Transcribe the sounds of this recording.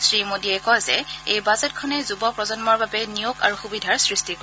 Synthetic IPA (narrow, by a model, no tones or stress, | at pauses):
sɹimodiɛkɔjzɛejbazɛt̚kʰɔnɛzubɔpɹɔzɔnmɔɹbabɛnijoɡa̰ɹuxubidʱaɹsɹistiko